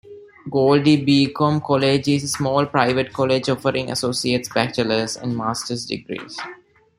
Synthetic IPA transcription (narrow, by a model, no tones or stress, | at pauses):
ɡoːlɖibiːkõmkʰɔled͡ʒizəsmɔːlpɾaɪʋəʈ̚kʰɔled͡ʒɔfəɾĩŋʔɐ̰soːsieːʈsbæt͡ʃələsɛ̰̃ɳɖmaːsʈəɾsɖɪ̰ɡɾḭːs